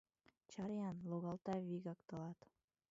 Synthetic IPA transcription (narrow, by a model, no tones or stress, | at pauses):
t͡ʃɑɾjɑnlˠoɣɑlˠt̪ɑviɡɑkt̪ɤlˠɑt̪